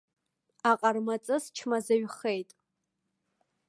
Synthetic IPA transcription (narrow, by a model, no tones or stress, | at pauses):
aqʼarmat͡sʼɨst͡ʃʰmazaɥχe̞jtʼ